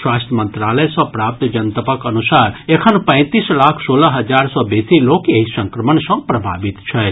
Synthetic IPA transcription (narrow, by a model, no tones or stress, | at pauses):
swaːst̪ʰəmə̃nt̪ɾaːləjsɔ̃pɾaːp̚t̪d͡ʒɐnt̪əpəkɐnusaːɾekʰənpə̃ɪ̃t̪islaːkʰsoːlaɦɐd͡ʒaːɾsɔbeːsiloːkjeɦisə̃ŋkɾəmənsɔ̃pɾəbʱa̰ːbit̪t͡ʃʰɛ